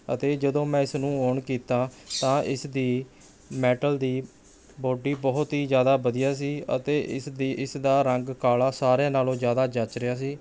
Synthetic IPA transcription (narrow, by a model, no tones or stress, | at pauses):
ə̰t̪eːd͡ʒəd̪õːmɛ̃ːɪsnũːoːɳkiːt̪aːt̪ãːʔɪsd̪iː | mɛːʈəld̪iː | boːɖiːbɔɦt̪ɦiːzjaːd̪aːbəd̪ijaːs̬iːə̰t̪eːʔɪsd̪iːʔɪsd̪aːɾəŋɡkaːlaːsaːɾjeːnaːlõːzjaːd̪aːd͡ʒət͡ʃɾɪaːs̬iː